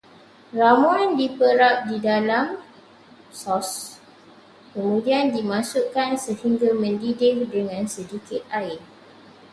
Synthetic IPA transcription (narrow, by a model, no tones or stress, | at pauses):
ramuandipəɾap̚didalam | sɔs | kəmũdiandimãsuʔkansəhiŋɡamə̃ndidɪhdəŋãnsədikɪt̪̚aɪn